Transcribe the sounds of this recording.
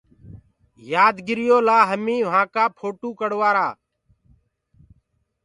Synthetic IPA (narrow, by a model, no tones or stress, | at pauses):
jaːd̪ɡɪɾɪjoːlaːɦəmĩːʋ̤ãːkaːpʰoːʈuːkəɽʋaːɾaː